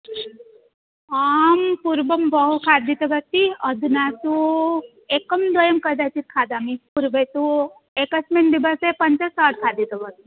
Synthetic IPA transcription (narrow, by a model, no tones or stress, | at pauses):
aːmpuɾbɐmbɐɦukʰaːd̪it̪ɐbɐk̚t̪iɐd̪ʱunat̪u | ekɐmd̪əjɐmkɐd̪at͡ʃit̪̚kʰaːd̪amipuɾbet̪u | ekət͡ʃmend̪ibəsepɐɲt͡ʃɐsaːʈ̚kʰaːd̪it̪ɐbɐkt̪i